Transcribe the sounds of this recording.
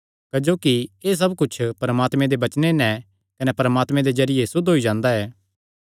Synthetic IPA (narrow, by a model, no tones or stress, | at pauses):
kɐd͡ʒoːkieːs̬ɐbkʊt͡ʃʰpɐɾɐmaːt̪mẽd̪ebɐt͡ʃnenɛ̃ | kɐnɛpɐɾəmaːt̪mẽd̪ezɐɾɪjesʊd̪ɦoid͡ʒãːnd̪aɛː